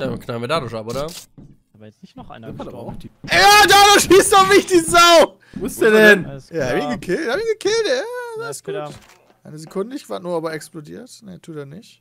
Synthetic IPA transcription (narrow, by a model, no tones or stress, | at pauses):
d̥amkʰnalmedadʊʃapʔoːɾɐ | nn | jaːdaːdoʃiːsdɔmɪçd̥izaʊ | sdɛnjaːhabçinɡəkʰɪlthaːbçinɡəkʰɪltjazaɪsɡ̥ːuːt | ʔa̰ɪnəzekʰʊndəɪçkv̥aːt̚nuːɐaːbɐɛksplodḭːɐtnetʰuːdanɪçt